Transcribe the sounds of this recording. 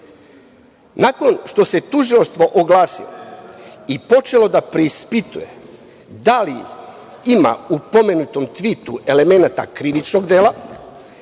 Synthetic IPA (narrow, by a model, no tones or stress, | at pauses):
nako̞nʃt̪o̞se̞t̪uʒilaʃst̪ʋo̞ʔoɡlaːsḭlo̰ | ipo̞t͡ʃe̞lo̞d̪apɾeispit̪ṵje̞̰ | d̪alḭ | ima̰upo̞me̞nut̪o̞mt̪ʋit̪uʔe̞le̞me̞nat̪a̰kɾiʋit͡ʃno̞ɡd̪eːlˠa